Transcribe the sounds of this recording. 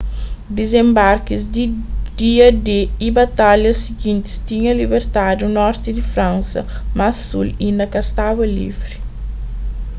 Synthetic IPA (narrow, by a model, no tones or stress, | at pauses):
d̪izẽmbaɾkizd̪id̪iɐd̪eibat̪aljɐsiɡĩnt̪i̥st̪iɲɐlibeɾt̪ad̪unɔɾt̪id̪ifɾãnsɐ̰masulĩnɐkɐst̪awɐlḭfɾi̥